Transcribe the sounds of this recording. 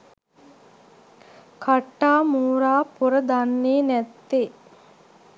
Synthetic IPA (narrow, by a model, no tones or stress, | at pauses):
kʰaʈːaːmuːɾaːpoɾəd̪anːeːnɛt̪ːe